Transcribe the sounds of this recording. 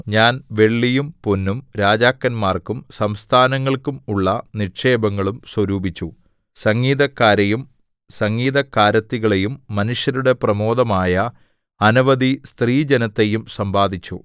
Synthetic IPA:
ɲaːnʋe̞ɭːijumponːumɾaːd͡ʑaːkːɐnmaːrkumsɐmst̪ʰaːnɐŋːɐɭkumuɭːɐnikʂe̞ːbɐŋːɐɭumswɐɾuːbʱit͡ɕːu | sɐŋɡiːðɐkːaːɾejum | sɐŋɡiːðɐkːaːɾɐt̪ːiɣɐɭe̞jumːɐnuʂjɐɾuɽe̞prɐmo̞ːd̪ɐmaːjɐ | ɐnuʋɐd̪ist̪riːd͡ʑenɐt̪ːejumsɐmbaːd̪ʱit͡ɕːu

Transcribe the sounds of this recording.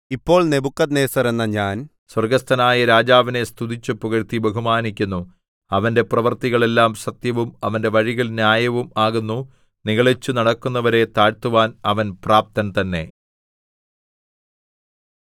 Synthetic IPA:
ipːo̞ːɭnebukːɐd̪neːsɐɾenːɐɲaːn | swɐrɡɐst̪ʰɐnaːjɐɾaːd͡ʑaːʋine̞st̪ʰud̪it͡ɕːɨpuɣɐɾt̪ibeɦumaːnikʲːunːu | ɐʋɐnde̞prɐʋɐrt̪iɣɐɭe̞lːaːmsɐt̪jɐʋumɐʋɐnde̞ʋɐɻiɣɐlnjaːjɐʋumaːɣunːu | niɣɐɭit͡ɕːunɐɽɐkːunːɐʋɐɾe̞t̪aːɻt̪uʋaːnɐʋɐnpraːp̚t̪ɐnt̪ɐnːe̞̰

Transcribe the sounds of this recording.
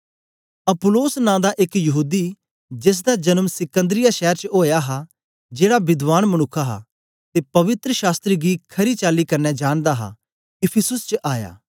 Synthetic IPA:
ɐpʊloːsnãːd̪aʔɪkjɐɦuːd̪i | d͡ʒɪs̬d̪ad͡ʒɐnəmsɪkə̃nd̪ɾɪjaʃɛːɾt͡ʃɦoːjaɦa | d͡ʒeːɽabɪd̪ʋaːnmɐnʊkʰːaɦa̰ | t̪eːpɐʋɪt̪ɾəʃaːst̪ɾiɡikʰɐɾit͡ʃaːlikɐɾnɛd͡ʒaːɽ̃d̪aɦa̰ | ɪpʰɪsʊst͡ʃʔaːja̰ː

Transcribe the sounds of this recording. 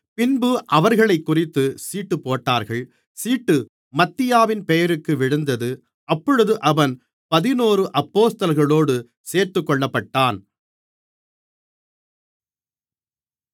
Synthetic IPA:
pɪnbɯʔɐʋɐɾɣɐɭɐɪkːʊrɪt̪ːɯsiːʈːɯpːoːʈːaːɾɣɐɭ | siːʈːɯ | mɐt̪ːɪjaːʋɪnpɛjɐɾɯkːɯʋɪɻɯnd̪ɐðɯ | ʔɐpːɔɻɯðɯʔɐʋɐn | pɐðɪnoːrɯʔɐpːoːst̪ɐlɣɐɭoːɽɯ | seːɾt̪ɯkːɔɭːɐpːɐʈːaːn

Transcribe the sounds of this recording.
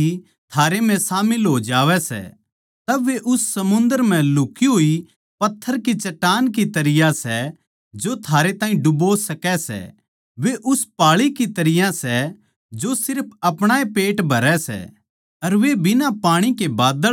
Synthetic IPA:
i | t̪ʰaːɾem̤ɛ̃saːmɪlɦod͡ʒaːʋɛsɛ̰ | t̪ɐʋeʔʊsːɐmʊ̃nd̪əɾm̤ɛ̃lʊkiɦoːi | pɐt̪ʰːəɾkit͡ʃɐʈːaːnkit̪ɐɾɪjasɛ | d͡ʒot̪ʰaːɾet̪ãːɦĩɖʊbosɐkɛsɛ̰ | ʋeʔʊspaːɭikit̪ɐɾɪjãsɛ | d͡ʒosɪɾpʰɐpɽ̃aːepeːʈbʱɐɾɛsɛ̰ | ɐɾʋebɪnapaːɽ̃ikebaːd̪ə

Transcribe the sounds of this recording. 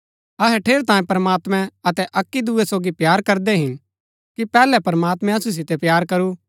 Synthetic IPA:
ɐɦɛʈʰeːɾt̪ãːẽpɐɾəmaːt̪mɛ̃ɐt̪ɛʔɐkːid̪uɛsoːɡipjaːɾkɐɾd̪ɛɦɪn | kipɛːlɛpɐɾmaːt̪mɛ̃ɐsus̬ɪt̪ɛpjaːɾkɐɾu

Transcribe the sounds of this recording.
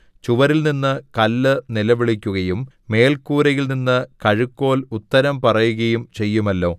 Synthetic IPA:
t͡ɕuʋɐɾilninːɨkɐlːɨnilɐʋiɭikʲːuɣɐjumː | e̞ːlkuːɾɐjilninːɨkɐɻukːo̞ːlut̪ːɐɾɐmpɐrɐjuɣɐjumt͡ɕe̞jːumɐlːo̞ː

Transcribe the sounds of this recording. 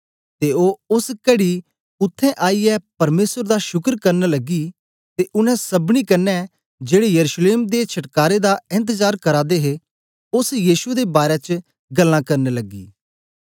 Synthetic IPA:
t̪eoːʊskɐɽi | ʊt̪ʰːɛ̃ʔaːiɛpɐɾmeːsəɾd̪aʃʊkəɾkɐɾnalɐɡi | t̪eʔʊnɛ̃sɐbnikɐɾnɛ | d͡ʒeːɽejɐɾuʃleːmd̪et͡ʃʰɐʈkaːɾed̪aɪ̃nt̪̬əzaːɾkɐɾaːd̪eɦe | ʊsjiːsued̪ebaːɾɛt͡ʃ | ɡɐlːãkɐɾnelɐɡiː

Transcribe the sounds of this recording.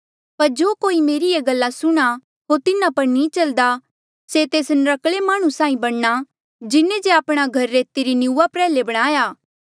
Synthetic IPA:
pɐɾd͡ʒoːkoːimeːɾieɡɐlːasʊɽ̃a | ɦoːɾt̪ɪnãpɐɾnĩːt͡ʃɐld̪a | set̪eːsnɾɐkɭemaːɽ̃usãːĩbɐɽna | d͡ʒɪnẽd͡ʒeaːpɽ̃aɡʱɐɾːeːt̪iɾinɪuːapɾɛːlebɐɽ̃aːjaː

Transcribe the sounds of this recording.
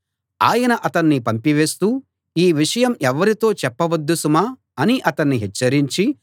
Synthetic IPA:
a̰ːjɐnɐʔɐt̪ɐnːipɐmpiʋe̞ːst̪uː | iːʋiʂɐjɐmɛʋɐɾit̪o̞ːt͡ʃɛpːɐʋɐd̪ːusumaː | ɐniʔɐt̪ɐnːiɦɛt͡ʃːɐɾiɲt͡ʃi

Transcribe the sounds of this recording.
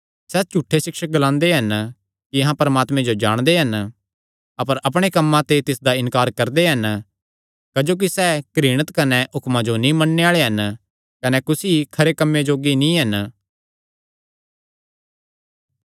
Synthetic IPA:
sɛːt͡ʃuːʈʰːesɪkʃək̚ɡəlãːnd̪eɦɐn | kiɐɦãpɐɾəmaːt̪mẽd͡ʒod͡ʒa̰ːɽ̃d̪eɦɐn | ɐpəɾɐpɽ̃ekɐmːãt̪et̪ɪsd̪aɪnkaːɾkɐɾd̪eɦɐn | kɐd͡ʒoːk̬isɛːkɾɪːɽ̃ət̪kɐnɛɦʊkmãd͡ʒonĩmɐnːeaːɭeɦɐn | kɐnɛkʊsikʰɐɾekɐmːed͡ʒoːɡinĩɦɐn

